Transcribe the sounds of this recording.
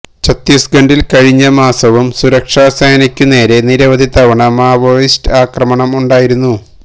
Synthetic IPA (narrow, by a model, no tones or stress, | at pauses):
t͡ɕʰɐt̪ːisɡɐɳɖilkɐɻiɲːɐmaːsɐʋumsuɾɐkʂaːsɐjɐnɐkʲːune̞ːɾe̞niɾɐʋɐd̪ʱit̪ɐʋɐɳɐmaːʋojistɨaːkrɐmɐɳɐmuɳɖaːjiɾunːu